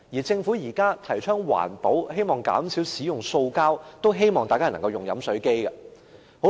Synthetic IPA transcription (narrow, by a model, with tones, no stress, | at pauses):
jiː˨˩t͡sɪ˧ŋfu˨˥jiː˨˩kaː˥t̪ʰɐ˨˩jt͡ʃʰœː˥ŋwa̰ː˨˩npo˨˥whe˥jmɔː˨˩ŋka̰ː˨˥msiː˨˥wsiː˨˥jʊ˨˩ŋso˧wkaː˥wt̪o˥wɦe˥jmɔː˨ŋaː˨jkaː˥nɐ˨˩ŋkɐ˧wjʊ˨ŋjɐ˨˥msɵ˨˥ɥke˥jkɐ˧ | ho˨˥